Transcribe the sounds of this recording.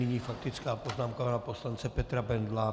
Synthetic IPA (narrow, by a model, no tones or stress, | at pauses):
nɪɲiːfakt̪ɪt͡skaːpoznaːmkanapo̞slant͡sɛpɛt̪ɾabɛnd̪la